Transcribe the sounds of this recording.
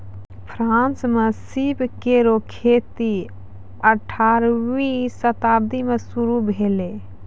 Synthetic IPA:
pʰɾãnsmesibkeɾokʰet̪i | əʈʰaɾwisət̪ab̚d̪imesuɾubʱele

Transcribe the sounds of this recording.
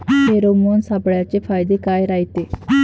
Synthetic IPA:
t̪eːɾoːmoːnsaːbɽjaːt͡ʃepʰaːjd̪eːkaːeɾaːit̪eː

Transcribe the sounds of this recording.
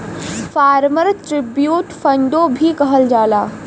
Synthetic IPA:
faːɾməɾʈɾɪbjuːʈfɐ̃ɳɖobʱikɐɦəld͡ʒaːlaː

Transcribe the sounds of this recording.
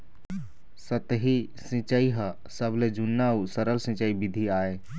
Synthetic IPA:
sət̪ɦi | sɪ̃t͡ʃaiɦə | səbled͡ʒunːausəɾəlsɪ̃t͡ʃaibɪd̪ʱiaːeː

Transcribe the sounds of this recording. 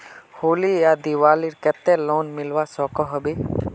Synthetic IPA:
hoːlijad̪iwaːliɾkɛt̪ɛloːnmɪlwasɔkɔɦɔbe

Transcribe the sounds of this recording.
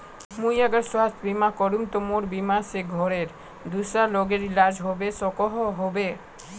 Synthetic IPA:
mujɛɡaɾswast̪ʰbimakɔɾumt̪omoɾbimaseɡʱɔɾeɾ | d̪usaloɡeɾilad͡ʑɦɔbesɔkɔɦɔɦobe

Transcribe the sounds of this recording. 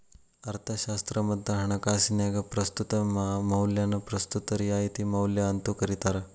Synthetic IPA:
ɐɾt̪ʰɐɕast̪ɾɐmɐd̪ʱːɐɦɐɳ̃ɐkasinjaɡɐpɾɐst̪ut̪ɐmmɐwljanɐpɾɐst̪ut̪ɐɾijait̪imɐwljaɐnt̪ukɐɾit̪aɾɐ

